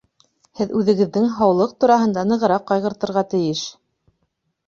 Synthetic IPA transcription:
hɘðʉðɘ̆ɡɘ̆ðːɘŋɦɑwlˠɤq̚t̪uɾɑɦɤ̆nd̪ɑnɤ̆ʁɤ̆ɾɑqːɑjʁɤ̆ɾt̪ɤ̆ɾʁɑt̪ɘ̆jɘʃ

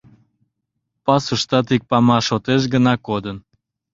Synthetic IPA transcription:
pɑsuʃt̪ɑt̪̬ik̚pɑmɑʃot̪eʃ̬ɡənɑkod̪ən

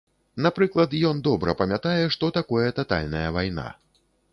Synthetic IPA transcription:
napɾɨklˠɐt̪jɔnd̪ɔbɾɐpɐmʲat̪ajɛʂt̪ɔt̪akɔjɛt̪at̪a̰lʲnɐjɐvajna̰

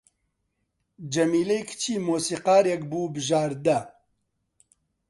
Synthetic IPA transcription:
d͡ʒɐmiːlejkʰt͡ʃʰiːmoːsiːqɑːɾjɛkbuːbɨʒaːɾd̪ɐ

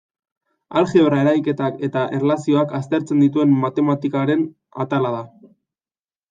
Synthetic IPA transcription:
alxeβrae̞ɾajke̞t̪ake̞t̪aʔerlasio̞akas̬t̪e̞ɾt͡se̞nd̪it̪ue̞mːat̪e̞mat̪ikaɾe̞n | a̰t̪alaða

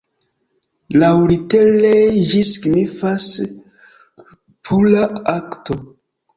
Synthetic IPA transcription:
lawɾiteled͡ʒisi̥ɡnifas | pʰulaakto

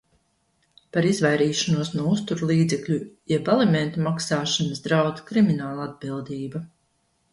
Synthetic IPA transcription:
paɾizvajɾiːʃanuɔsnuɔust̪uɾlˠiːd̪zɛkʎʲujɛbalˠimɛnt̪umaksaːʃanasd̪ɾawd̪kɾiminaːlˠad̪̚bilˠd̪iːba

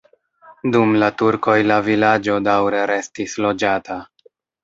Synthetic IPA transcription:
dumlatuɾko̞jlavilad͡ʒo̞dawɾe̞ɾe̞stislo̞d͡ʒatʰa

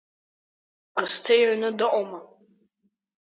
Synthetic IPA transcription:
astʰejʕnɨdɨʔʷʼoma

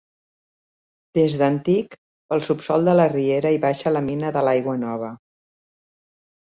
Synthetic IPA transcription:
d̪̥ezðənt̪ik | pəlˠsupsɔlˠd̪ələrieɾəiβaʃələminəðəlajɣwənɔβ̞ə

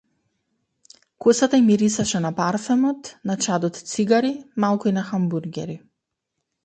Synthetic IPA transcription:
kosat̪aimiɾisaʃɛnapaɾfɛmɔt̪nat͡ʃad̪ɔt̪t̪siɡaɾimalˠkuinaxambuɾɡʲɛɾi

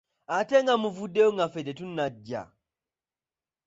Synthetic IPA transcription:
ateŋɡamuvudːejoŋɡafet̬etunːaɟːa̰

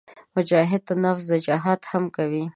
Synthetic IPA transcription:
mʊd͡ʒɑɦɪd̪̚t̪anafzd̪əd͡ʒaɦɑt̪hamkawi

